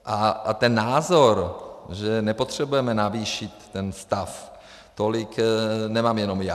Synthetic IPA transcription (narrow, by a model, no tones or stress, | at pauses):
ʔat̪ɛnːaːzoɾʒɛnɛpot̪r̝̥ɛbujɛmɛnaviːʃɪt̪ːɛnst̪af | t̪olɪknɛmaːmjɛno̞mja